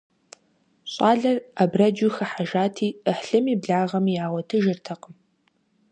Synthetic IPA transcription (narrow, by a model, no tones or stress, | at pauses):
ɕʼɑːɮɐrabrɐd͡ʒuxɐħaʒaːtʰiːəħɬɨmiːbɮaːʁɐmiaːwɐtʰɨʒɪrtʰɐqʼəm